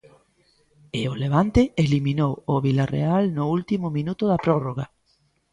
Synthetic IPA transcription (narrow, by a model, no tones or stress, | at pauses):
ɪoleβant̪eelimĩnowʊβilarḛalnʊult̪imʊmĩnut̪ʊðapɾɔroɣ̞a